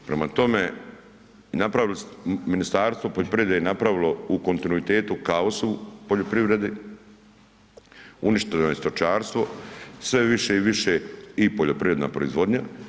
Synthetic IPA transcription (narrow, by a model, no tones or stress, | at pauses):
pɾemat̪o̞me̞ | napɾaʋilosminist̪aːɾst̪ʋo̞poʎopɾiɾed̪ejenapɾaʋilo̞uko̞nt̪inuit̪e̞ːt̪ukaosuupoʎopɾiʋɾe̞d̪i | uniʃt̪enojest̪ot͡ʃaːɾst̪ʋo̞sʋe̞ʋiʃeiʋiʃeipoʎopɾiʋɾe̞d̪na̰pɾoḭzʋo̞d̪ɲa